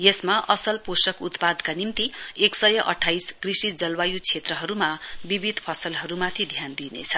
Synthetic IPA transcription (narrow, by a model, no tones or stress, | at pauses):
jesmaʔʌsʌlposʌkut̪pad̪kanimt̪ieksʌjʌʔʌ̰ʈʰajskrisid͡zʌlwajut͡sʰet̪rʌɦʌɾumabibʱid̪ʱpʰʌsʌlɦʌɾumat̪ʰid̪ʱjand̪inḛt͡sʰʌ